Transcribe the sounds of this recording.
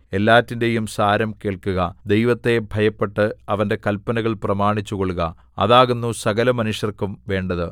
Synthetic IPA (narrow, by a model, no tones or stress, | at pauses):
e̞lːaːtːinde̞jumsaːɾɐmke̞ːɭkuɣɐd̪e̞jʋɐt̪ːe̞bʱɐjɐpːe̞ʈːɨɐʋɐnde̞kɐlpːɐnɐɣɐɭprɐmaːɳit͡ɕːuɣoɭuɣɐ | ɐ̰ðaːɣunːusɐɣɐlɐmɐnuʂjɐrkumʋe̞ːɳɖɐðɨ